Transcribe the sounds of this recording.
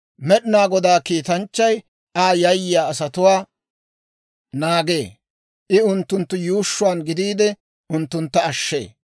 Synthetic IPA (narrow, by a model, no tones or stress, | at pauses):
mɛɗɪnaːɡɔd̪aːkiːt̪ɐnt͡ʃːɐj | aːjɐjːɪjaːɐsɐt̪ʊwaː | naːɡe̞ː | ʔɪʊnt̪ːʊnt̪ːʊjuːʃːʊwaːnɡɪd̪iːd̪ɛ | ʊnt̪ːʊnt̪ːɐːʃːe̞̰ː